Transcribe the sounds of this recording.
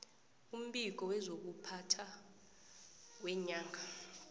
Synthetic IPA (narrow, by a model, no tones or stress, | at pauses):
um̩ɓik̬ɔwɛzok̬upʰatʰa | wɛɲaːŋʱa